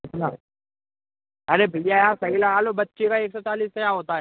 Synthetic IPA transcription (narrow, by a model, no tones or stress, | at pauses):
la | əɾebʱɪljaːjãːsəɦiːlaːaːloːbət̪ːt͡ʃekaːeːksɔːt͡ʃaːliːst̪əjãːɦoːt̪aːɦɛ